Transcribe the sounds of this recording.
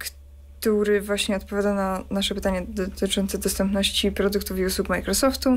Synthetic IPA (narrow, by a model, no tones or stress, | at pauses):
k | t̪uɾɘvwaɕɲɛɔt̪̚pɔvjad̪ananaʂɛpɘt̪aɲɛd̪ɔt̪ɘt͡ʂɔnt̪sɛd̪ɔst̪ɛmpnɔɕt͡ɕipɾɔd̪ukt̪ufiuswukmajkɾɔsɔft̪u